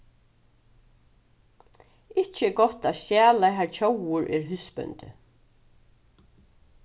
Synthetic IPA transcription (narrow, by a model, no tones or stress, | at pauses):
ɪht͡ʃɪɡɔt̪asjæːlajɦaɹt͡ʃʰowʊɹʔɛːɹɦʏspœ̰nt̪ɪ̰